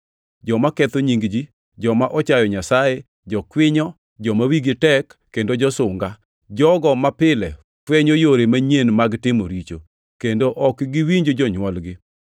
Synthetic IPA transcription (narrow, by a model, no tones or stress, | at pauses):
d͡ʒɔmakɛt̪oɲiŋɡd͡ʒi | d͡ʒɔmaʔɔt͡ʃajɔɲasaje | d͡ʒɔkwɪɲɔ | d͡ʒɔmawiɡɪtɛkːendod͡ʒɔsʊŋɡa | d͡ʒɔɡɔmapɪlɛ̰ | kweɲojoɾemaɲenmaɡtɪmoɾit͡ʃo̰ | kendoʔɔkɡɪwiɲd͡ʒod͡ʒɔɲwɔlɡɪ